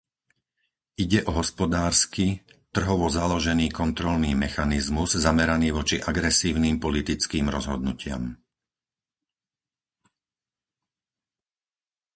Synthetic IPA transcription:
iɟɛʔɔɦɔspɔd̪aːɾskit̪r̩ɦɔʋɔzalɔʒɛniːkɔnt̪ɾɔlniːmɛxanizmuzzamɛɾaniːʋɔt͡ʃiʔaɡɾɛsiːʊnimpɔlit̪it͡skiːmɾɔzɦɔd̪nucɪa̰m

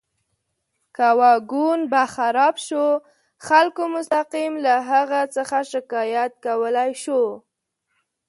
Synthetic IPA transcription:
kawɑɡunbaxaɾɑbʃo | xalkomʊst̪aqimlaɦaɣat͡səxaʃɪkɑjat̪̚kawəlajʃo

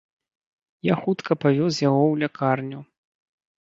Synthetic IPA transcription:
jaxut̪kʰɐpavʲɔzʲjaɣɔwlʲakʰarnʲu

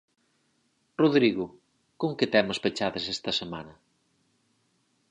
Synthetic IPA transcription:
roðɾiɣʊ | koŋkɪt̪ɛmʊspet͡ʃaðesɛst̪ɐsemanɐ

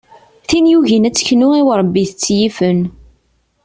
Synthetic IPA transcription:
θinjuʝinæt͡sːə̥çnʊiwɾˤəbːiθət͡sːjifən

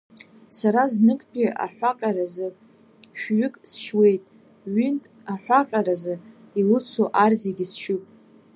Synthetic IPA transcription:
saɾaznɨkʼʰpʼiʔa̰ħʷᶣaqʲʼaɾazɨ | ʃᶣɥʏkʼsʃwe̞jtʼ | ɥʏntʼ | aħʷaqʲʼaɾazɨ | ilɨt͡sʰoʔarzeɡʲisʃupʼ

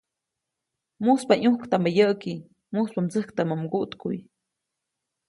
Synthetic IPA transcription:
muspaɲuhkt̪aməjəʔki | muspamt͡səhkt̪amamɡuʔt̪kuj

